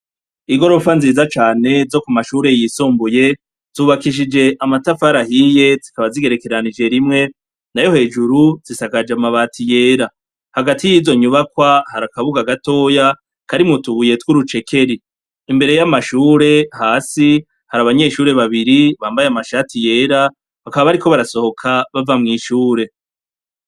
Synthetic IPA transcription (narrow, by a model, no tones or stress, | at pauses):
iɡo̞ɾo̞fanziːzat͡ʃaːne̞zo̞kumaʃuɾe̞jisuːmbuje̞ | z̥uːβakiʃ̬id͡ʒe̞ʔamatafaɾahije̞zikaβaziɡe̞ɾe̞ke̞ɾanid͡ʒe̞ɾimŋe̞ | najo̞he̞ːd͡ʒuɾuz̥isakad͡ʒamaβaːtije̞ːɾa | haɡatijiːzo̞ɲuβakwahaɾakaβuɡaɡato̞ːja | kaɾimŋutuβuje̞twuɾut͡ʃe̞kʰe̞ɾiː | mbe̞ɾe̞jamaʃuːɾe̞haːsi | haɾaβaɲe̞ːʃuːɾe̞βaβiɾiβaːmbajeamaʃaːtije̞ːɾa | βakaβaβaɾiko̞βaɾaso̞ho̞kʰaβavamŋiːʃuːɾe̞